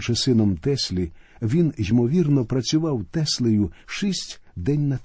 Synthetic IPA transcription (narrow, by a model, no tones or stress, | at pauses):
ʒɛsɪnɔmt̪ɛsʲlʲi | ʋʲinʒʲimɔʋʲirnɔpɾɐt͡sʲʊʋɑwt̪ɛsʲlˠɪjʊʃisʲtʲd̪ɛnʲnɐt̪